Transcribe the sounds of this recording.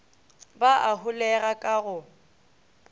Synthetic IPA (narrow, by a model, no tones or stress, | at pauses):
baʔaɦʊlɛɣakʼaɣʊ